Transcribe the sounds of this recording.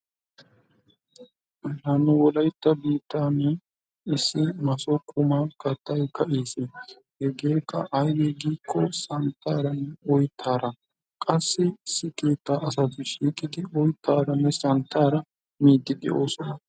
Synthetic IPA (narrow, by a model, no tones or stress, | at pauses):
nɐnːʊwɔlɐjt̪ːɐbiːt̪ːaːnːɛ | ɪsːɪmɐsɔkʼʊmaːkʼɐt̪ʼːɐjkʰɐʔeːse | hɛɡeːkːɐ̰ʔɐjɡeɡiːkʰːɔsɐnt̪ʰːaːɾɐnɛɔjt̪ʰːaːɾɐ | kʼɐsːɪsːɪke̞ːt̪ːaːɐs̬ɐt̪ɪʃiːkʼɪd̪ɪɔjt̪ʰːaːɾɐnːɛsɐnt̪ːaːɾɐ | miːd̪ːɪd̪ɛ̰ʔo̞ːsɔnɐ